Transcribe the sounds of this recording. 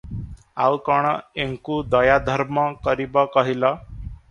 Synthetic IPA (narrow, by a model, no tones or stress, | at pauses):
awkɔɽ̃eŋkud̪əjad̪ʱəɾməkəɾibɔkəɦila